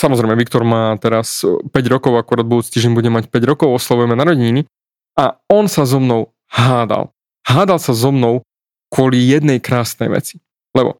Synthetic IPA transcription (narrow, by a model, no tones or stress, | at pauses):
samɔzɾɛjmɛʋikt̪ɔɾmaːt̪ɛɾaspɛɟɾɔkɔʊakuɾaːd̪̚bud̪uːt͡si̥t̪iːʒɟɛɲbuɟɛmacpɛɟɾɔkɔʊɔslaʋujɛmɛnaɾɔɟiɲini | aɔnsazɔmnɔʊ | haːd̪a̰l | haːd̪alˠsazɔmnɔʊ | kwʊɔlijɛd̪nɛjkɾaːsnɛjʋɛ̰t͡si̥ | lɛbɔ̰